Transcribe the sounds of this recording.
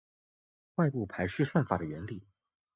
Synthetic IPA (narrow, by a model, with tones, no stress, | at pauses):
wa˥˧ɪpu˥˩pʰa˧˥ɪʂɻ̩˥˧ʂa˥˩nfa̰˨˩d̪ə˩jɛ˧˥nli˨˩˦